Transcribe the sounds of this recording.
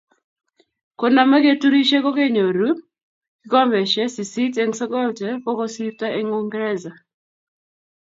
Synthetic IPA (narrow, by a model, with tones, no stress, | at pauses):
ko˦na˨ma˦ɡe˦tu˦ɾi˦ʃe˦ko˦ke˦ɲo˨ɾu˦ | kɪ˦kɔ˦mɛ˨ʃɛ˦si˨si˦tɛ˦ŋsɔ˦kɔ˦ltɛ˨fɔ˦kɔ˦si˦fta˦ʔe˦ŋu˦ŋɡɾɛ˦za˨